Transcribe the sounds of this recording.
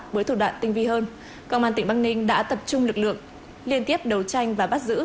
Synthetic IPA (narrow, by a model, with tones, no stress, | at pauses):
ɓəː˨˦jt̪u˧˩ɗwa̰ː˧˨nt̪ï˧ŋ̟vi˧ɦəː˧n | kə̰˧wŋ͡maː˧nt̪ï˧˩ŋɓaː˧ŋnï˧ŋ̟ɗa̰ː˧˥t̪ə˨˩p̚t͡ɕʊ˧ŋ͡mlɨ˨˩k̚lɨ̰˧˨əŋ | li˧ənt̪i˦˥əp̚ɗə˨˩wt͡ɕa˧jŋ̟vaː˨˩ɓa˦˥t̚zɨ̰˧˥